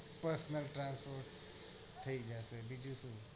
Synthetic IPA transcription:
pəɾsnəlʈɾãnspʰoɾ | t̪ʰəid͡ʒasəbid͡ʒusũ

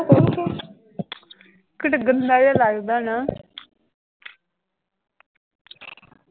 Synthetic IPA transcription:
kokː | kəʈɡənd̪aːjaːlaːɡd̪aːna

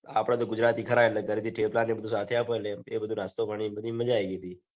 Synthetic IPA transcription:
a̰pɽ̃ãt̪oɡʊd͡ʒɾaːt̪iːkʰəɾaeʈlek̪əɾit̪ʰiʈʰelplanːebəd̪ʱũsat̪ʰeapoeleebəd̪ʱunast̪opaɳ̃ibəd̪ʱiməd͡ʒaeɡit̪iː

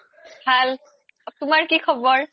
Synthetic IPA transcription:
bʱal | tʊmaɹkikʰɔbɔɹ

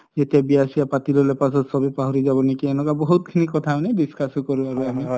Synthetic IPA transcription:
zet̪iabijasiapatilɔlepasɔtsɔbipaɦɔɾizabɔnikiɛnɔkabɔɦut̪̚kʰinikɔt̪ʰanebiskʰaskɔɹuaɹuami

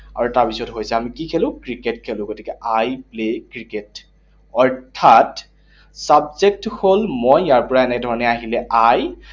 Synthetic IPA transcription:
a̰ɹutaɹpisɔtɦojsɛamikikʰelʊ̃kɹiketkʰelʊ̃ɡotikɛʔajplekɹiket | ɔɹtʰat | sabzek̚tholmojːaɹpɔɹaɛnɛk̚dʱɔɹɔnɛaɦilɛʔaj

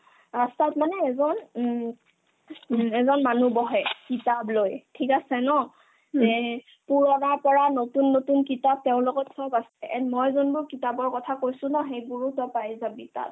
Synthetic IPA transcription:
ɹastatmanɛːzɔn | ɛzɔnmanubɔɦɛjkitablojtʰikasɛnɔ | zɛ | puɹɔnaɹpɔɹanotunːotunkitab̚teʊ̃lʊɡɔtsɔbasɛʔɛmɔjzɔnbʊɹkitabɔɹkɔtʰakojsʊ̃nɔxejbuɹutɔpajzabita̰b̚

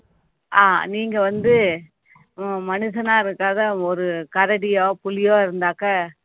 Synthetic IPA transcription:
aːniːŋɡɐʋɐnd̪ɯ | mɐnɯsɐnaːɪɾɯkːaːðɐɔɾɯkɐɾɐɽɪjoːpʊlɪjoːɪɾɯnd̪aːkɐ

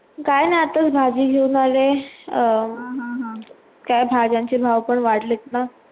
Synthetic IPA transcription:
kajnajat̪ət͡sbʱad͡ʑiːɡʱewnale | kajbʱad͡ʑãɲt͡ɕibʱawpəɳʋaɽlet̪na

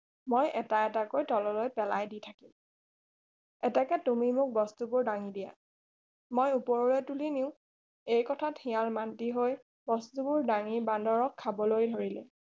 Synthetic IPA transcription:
mojʔɛtaɛtakojtɔlɔlojpɛlajditʰakim | ɛtakɛtumimʊk̚bɔstubʊɹdaŋidija̰ | mojupɔɹɔlɛtuliniʊ̃ | ejkɔtʰathĩjalmantiɦoj | bɔstubʊɹdaŋibandɔɹɔkʰːabɔlojdʱoɹilɛ

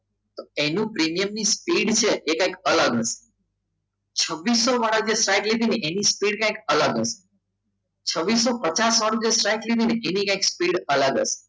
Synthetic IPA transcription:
t̪oenũpɾimijəmnispiɽt͡ʃʰeʔːkãĩkələɡəse̥ | t͡ʃʰəʋːisːoʋaɽəd͡ʒesʈɾajkled̪ʱineʔenispiɽkãĩkələɡəse̥ | t͡ʃʰəʋːisːopət͡ʃasʋaɽ̃ũd͡ʒesʈɾajkled̪ʱineʔenikãĩkspiɽələɡə̰se̥

